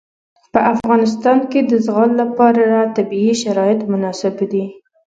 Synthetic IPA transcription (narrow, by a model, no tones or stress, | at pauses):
pəʔafɣɑnɪs̬t̪ɑnked̪əzɣɑllapɑɾaɾat̪abiiʃaɾɑjɪt̪mʊnɑsɪbd̪i